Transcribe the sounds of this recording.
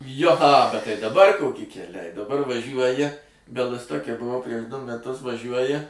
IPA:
ˈjoː ɐ ˈbʲɛt ˈtɐɪ dɐˈbɐr ˈkoːkʲɪ kʲɛˈlʲɛɪ dɐˈbɐr ʋɐˈʒʲuɔjɪ bʲɛlˠɨstoːkʲɛ bʊˈʋɐʊ pʲrʲiɛʃ ˈdʊ mʲɛˈtʊs ʋɐˈʒʲuɔjɪ

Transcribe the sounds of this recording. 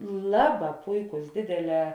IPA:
ˈlˠɑːˌbɑː ˈpʊɪˌkʊs ˈdʲeːdʲeːˌlʲɛː

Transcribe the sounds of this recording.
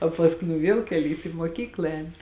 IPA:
oː pɐsˈkʊɪ nʊ ˈʋʲiɛlˠ kʲɛˈlʲiːs iː muɔˈkʲiːklˠɐ ˈɛːnʲɪ

